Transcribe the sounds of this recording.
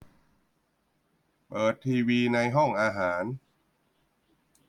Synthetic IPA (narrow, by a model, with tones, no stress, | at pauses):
pɤː˨˩t̪ʰːiː˧wiː˧na˧jɦɔ˥˩ŋʔaː˧ɦaː˩˦n